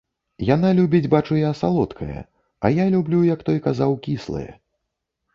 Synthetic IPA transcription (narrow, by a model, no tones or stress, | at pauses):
janalʲubʲid͡zʲbat͡ʂujasalˠɔt̪kʰɐjɐ̰ | ɐ̰jalʲublʲujɐkt̪ɔjkazawkʲislˠɐ̰jɐ̰